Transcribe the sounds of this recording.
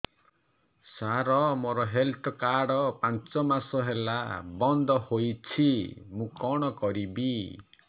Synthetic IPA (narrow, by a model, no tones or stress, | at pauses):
saɾɔmoɾɔɦelʈɔkaɽɔpant͡ʃɔmasɔɦela̰bɔnd̪ɔhojt͡ʃʰimũkɔɽ̃ɔkɔɾibi